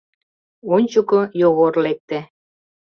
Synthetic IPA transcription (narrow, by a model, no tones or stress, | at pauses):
onʲt͡ɕukojoɣorlek̚t̪e